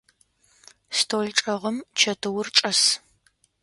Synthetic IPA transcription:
stʰoːɮʈ͡ʂʼɐʁəmt͡ʃʰɐtʰɨwʊrʈ͡ʂʼɐs

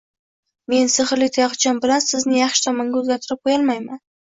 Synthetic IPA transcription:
me̞nsɪχɾlɪt̪ʰajɑʁt͡ʃʰɒnbɪlansɪznɪjɑχʃɪ̥t̪ʰɒmaŋɡʲʊzɡʲat̪ʰʊɾɪp̚qʰojɑlˠmajman

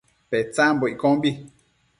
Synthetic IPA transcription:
pɛt͡sãmboikɔ̃mbi

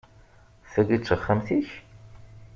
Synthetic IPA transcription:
θæɡit͡sːəχːæmθiç

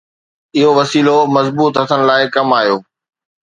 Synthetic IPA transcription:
ɪɦoʋɐsiːlomɐzbuːt̪ɦɐt̪ʰənɪ̆laːɪkɐmaːɦijoː

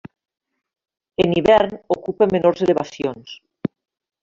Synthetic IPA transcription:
eniβɛɾnokupemenoɾzeleβasjons

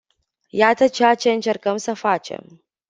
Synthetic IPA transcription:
jat̪ət͡ʃeat͡ʃe̞ɨnt͡ʃe̞rkəmsəfat͡ʃe̞̰m

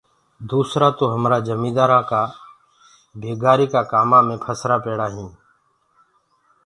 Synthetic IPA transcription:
d̪uːsɾaːt̪oːɦəmɾaːd͡ʒəmĩːd̪aːɾãːkaː | bʱeːɡaːɾiːkaːkaːmaːmẽːpʰəsɾaːpeːɽaːɦĩː

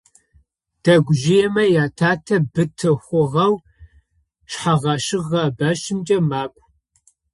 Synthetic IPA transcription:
d̥ɐɡʷʊʒɪjɛmɐjaːtʰaːtʰɐbɨtʰɨxʷʊʁɐw | ɕħaʁɐʃɨʁɐbɐʃɪmt͡ʃʼɐmaːkʷʼ

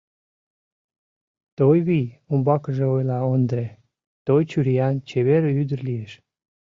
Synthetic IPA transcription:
t̪ojβijumbɑkəʒeojlɑond̪ɾe | t̪ojt͡ɕyɾijɑnt͡ɕeβeɾəyd̪ərlijeʃ

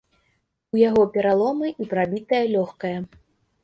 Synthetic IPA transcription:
ujaɣɔpʲɛɾalˠɔmɨʔipɾabʲit̪ɐjɐlʲɔxkɐjɐ

